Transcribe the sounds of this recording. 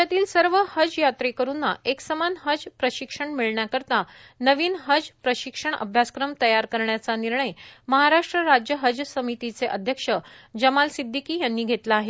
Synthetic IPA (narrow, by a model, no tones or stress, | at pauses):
at̪iːlsəɾʋəhəd͡zjat̪ɾekəɾunːaʔeksəmanɦəd͡zpɾəɕikʂəɳmiɭɳjakəɾt̪a | nəʋiːnɦəd͡zpɾəɕikʂəɳə̰bʱjaskɾəmt̪əjaɾkəɾɳjat͡saniɾɳəjməɦaɾaʂʈɾəɾad͡ʑjəɦəd͡ʑəsəmit̪it͡seʔəd̪ʱjəkʂə | d͡ʑəmalsid̪ʱːikiːjanːiːɡʱet̪laːɦe